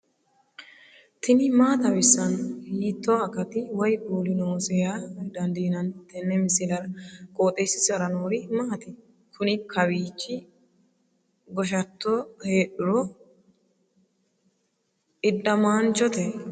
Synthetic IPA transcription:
t̪ɪnɪmaːt̪ɐbɪsːɐnhiːt̪ːoːɐkɐt̪ɪwɐjɡuːlɪnoːsɛjad̪ɐnd̪iːnɐnt̪ɛnːɛmɪsɪlɐɾɐkʼoːt̪ʼeːsɪ̥sɐɾɐnoːɾɪmaːt̪ɪ | kʰʊnɪkʰɐwiːt͡ʃːɪ | ɡɔʃ̬ɐt̪ːoheːɗʊɾɔ | ɪdːɐmaːnt͡ʃɔt̪ɛ

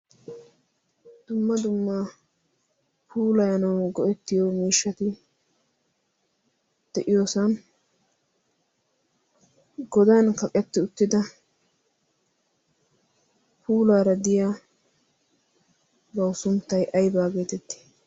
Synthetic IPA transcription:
d̪̥ʊmːɐd̪ʊmːa | pʰuːlɐjɐnɐwɡɔʔɛt̪ːɪjoːmiːʃːɐt̪ɪ | d̪̥ɛʔɪjoːsɐn | ɡɔd̪ɐnkɐkʼɛt̪ːɪʊt̪ːɪd̪ɐ | pʰuːlaːɾɐd̪ɪjaː | bɐwʊsʊmt̪ːɐjʔɐjbaːɡe̞ːt̪ɛt̪ːɪ̥

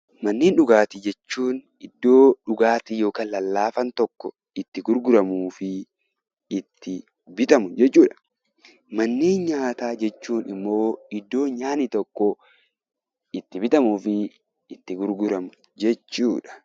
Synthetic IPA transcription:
mɐnːeːnᶑʊɡaːt̪ɪd͡ʒɛt͡ʃːuːn | ɪd̪ːo̞ːᶑʊɡaːt̪ɪjo̞ːkaːnlɐlːaːfɐnt̪ɔkːɔ | ɪt̪ːɪɡʊɾɡʊɾɐmuːfɪ | ɪt̪ʰːɪ | bɪt̪ɐmʊd͡ʒɛt͡ʃːuːᶑɐ̥ | mɐnːeːnɲaːt̪aːd͡ʒɛt͡ʃːuːnɪmːo̞ːɪd̪ːo̞ːɲaːnit̪ɔkːɔ | ɪt̪ːɪbɪt̪ɐmuːfɪ | ɪt̪ːɪɡʊɾɡʊɾɐmʊ | d͡ʒɛt͡ʃːuːᶑɐ̥

